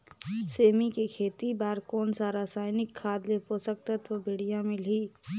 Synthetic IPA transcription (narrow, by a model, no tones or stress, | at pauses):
seːmikekʰeːt̪ibaːɾkɔːnsaːɾaːsaːɪnɪkʰːaːd̪leposəkt̪ət̪ʋəbʱeːɽijãmɪlɦi